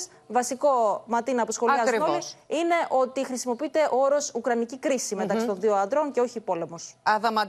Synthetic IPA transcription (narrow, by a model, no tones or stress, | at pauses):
s | vɐsiko̞mɐt̪inɐpusxo̞lɐɐzɾnoliine̞ʔo̞t̪ixɾisimo̞piit̪e̞ʔooɾo̞sukɾɐnicikɾisime̞t̪ɐkssit̪o̞nðioɐnd̪ɾo̞ŋceo̞çipo̞le̞mo̞sɐðɐmɐ